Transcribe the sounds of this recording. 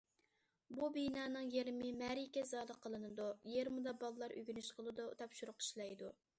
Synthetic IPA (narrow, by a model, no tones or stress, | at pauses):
bubijnɑːnɨŋjeɾmɪmæɾikʲɛzɑːlˠəqʰəlˠɨnɨd̪ujeɾmɨd̪ɑbɑlˠlˠɑɾʔy̰ɡʲynyʃqʰəlˠɨd̪ṵt̪ʰɑpʃuɾʊqʰi̥ʃlˠɑjd̪u